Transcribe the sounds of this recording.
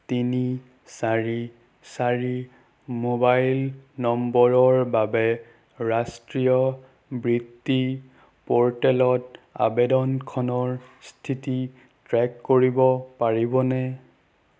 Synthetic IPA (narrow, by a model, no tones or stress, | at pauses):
tini | saɹi | saɹi | mobajlnɔmbɔɹɔɹbabɛ | ɹastɹijɔ | bɹitːi | pɔɹtɛlɔta̰bedɔnkʰɔnɔɹstʰiti | tɹɛkːoɹibɔpaɹibɔnɛ